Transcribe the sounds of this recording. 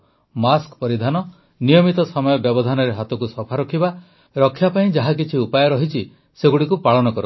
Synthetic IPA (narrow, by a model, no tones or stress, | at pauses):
maskpɔɾid̪ʱanɔ | nijɔmit̪ɔsɔmɔjɔbjɔbɔd̪ʱanɔɾeɦat̪ɔkusɔpʰaɾɔkʰiba | ɾɔkʰːjapaĩd͡ʒaɦak̬it͡ʃʰiupajɔɾɔɦit͡ʃʰi | seɡuɽikupaɭɔnɔkɔɾɔ